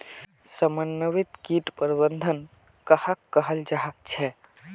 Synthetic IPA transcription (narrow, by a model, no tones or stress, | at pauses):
səmənːəʋit̪kiʈpəɾibənd̪ʱən | kəhəkːəɦəld͡ʒaɦək̚t͡ʃʰɛ